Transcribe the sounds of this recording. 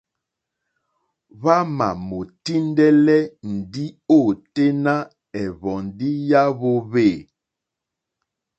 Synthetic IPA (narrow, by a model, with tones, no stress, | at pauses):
βa˦ma̰˨mo˨ti˦ndɛ˦lɛ˦n̩˨di˦o˦˨te˦na˦ | ɛ˨βɔ˨ndi˦ja˦βo˦βe˦˨